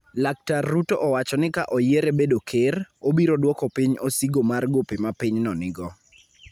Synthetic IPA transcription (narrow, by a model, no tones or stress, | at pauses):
lak̚tarːutoʔɔwat͡ʃɔnɪkaʔɔjeɾebedokʰɪrobiɾodwɔkɔpiɲosiɡomarɡopemapiɲnɔnɪɡɔ